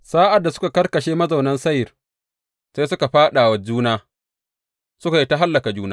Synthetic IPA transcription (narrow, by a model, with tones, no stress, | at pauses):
saː˦ʔa˨dːa˨sʊ̥˦ka˨kɐ˦rkɐ˨ʃeː˦mɐ˦zɐ˨wnɐ˦nsa˦jɪ˨r | sa˦sʊ˦ka˨ɸaː˦ɗa˨wɐ˨d͡ʒuː˦naː˦ | sʊ˦ka˨ji˦ta˦ɦa˦lːɐ˨ka˨d͡ʒuː˦naː˦